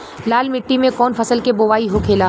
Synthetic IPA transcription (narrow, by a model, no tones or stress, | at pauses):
laːlmɪʈːimẽkɔːnfɐsəlkeboːʋaːiɦokʰeːlaː